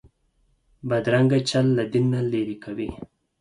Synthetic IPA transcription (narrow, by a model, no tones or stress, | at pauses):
bad̪ɾaŋɡat͡ʃalːad̪inːaleɾikawḭ